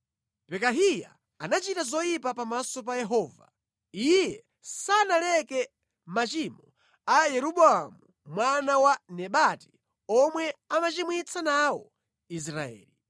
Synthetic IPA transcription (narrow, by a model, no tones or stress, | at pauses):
pɛkaɦija̰ː | nat͡ʃitazɔjipapamasɔp̬ajɛɦɔːva | ijɛ | sanalɛkɛ | mat͡ʃimɔ | ajɛɾuɓɔamu | mwanawanɛɓati̥ | ɔmwɛamat͡ʃimwit͡sʰanawɔ̰ | is̬ɾaɛ̰ːli